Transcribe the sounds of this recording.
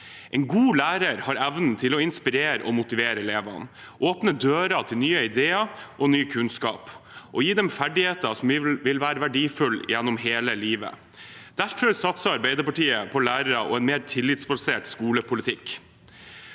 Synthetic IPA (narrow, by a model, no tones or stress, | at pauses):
ʔɛɪnɡuːlæːɾəɾhɑɾæʋnn̩t̪ʰɪlɔɪnspɪɾeːɾəʔɔmʊt̪ɪʋeːɾəɛleːʋɑ̰n | ʔoːpnəd̪øːɾɑt̪ʰɪlnyːəɪd̪eːɑʔɔnyːkʰʉnskɑ̰ːpʔɔjiːd̪ɛmfæɖɪheːt̪əsɔmʋʋɪlʋæːɾəʋæɖiːfʉljɛnːɔmɦeːləliːʋə̰ | d̪̥æɾfɔɾsɑt̪sɑɑɾbæɪd̪əɾpɑʈiːəpʰɔlæːɾəɾəʔɔ̰ɛnmeːɾt̪ʰɪlːɪt̪sbɑseːʈskuːləpʰʊlɪt̪ʰɪkː